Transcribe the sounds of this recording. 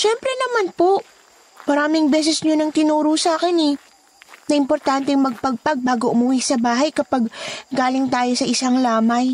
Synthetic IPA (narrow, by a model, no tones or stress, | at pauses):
ʃɛmpɾɛnɐmanpo̞ | mɐɾaːmɪŋbɛːs̬ɛsɲonɐŋt̪ɪnuːɾʊsaːkɪnɛ | nɐʔɪmpo̞ɾt̪ant̪ɛŋmɐɡ̚pɐɡ̚pɐɡ̚baːɡoʔʊmʊwisɐbaːɦɐjkɐpaɡɡaːlɪŋt̪aːjo̞sɐʔɪsaŋlaːmɐj